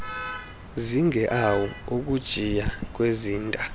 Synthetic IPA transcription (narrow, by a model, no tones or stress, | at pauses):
ziŋʱɛʔawɔuk̬ʼud̥ʒ̥ʱijak̬ʼweziːntʼa